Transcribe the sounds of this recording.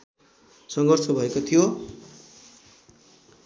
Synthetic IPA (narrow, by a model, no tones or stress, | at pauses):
sʌŋɡʱʌrt͡sʰʌbʱʌekot̪ʰijo